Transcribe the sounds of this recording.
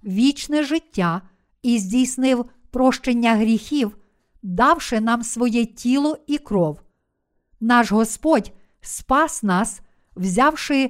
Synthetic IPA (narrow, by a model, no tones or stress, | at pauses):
ʋʲit͡ʃnɛʒɪtʲːa | izʲdʲijsnɪwpɾɔʃt͡ʃenʲːɐɦɾʲixʲiw | d̪ɑwʃɪnɑmsʋɔjɛtʲʰilˠɔikɾɔw | nɑʃɦɔspɔdʲ | spɑsnɑs | wzʲɑwʃɪ